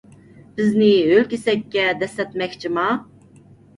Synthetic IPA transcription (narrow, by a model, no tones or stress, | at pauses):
b̥izniølʲkʲisɛkʲːɛd̪ɛsɛt̪mɛkʲt͡ʃʰimɑ